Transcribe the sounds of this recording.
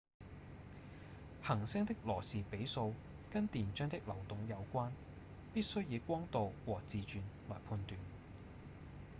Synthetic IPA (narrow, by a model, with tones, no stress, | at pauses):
hɐ˨˩ŋsɪ˥ŋt̪ɪ˥k̚lɔː˨˩siː˨pe˨˥jso˧w | kɐ˥nt̪iː˨˩nt͡ʃœː˥ŋt̪ɪ˥k̚lɐ˨˩wt̪ʊ˨˧ŋjɐ˨˧wkʷaː˥n | piː˥t̚sɵ˥ɥjiː˨˧kʷɔː˥ŋt̪o˨wwɔː˨˩t͡siː˨t͡ʃyː˨˧nlɔː˨˩jpʰuː˧nt̪yː˨n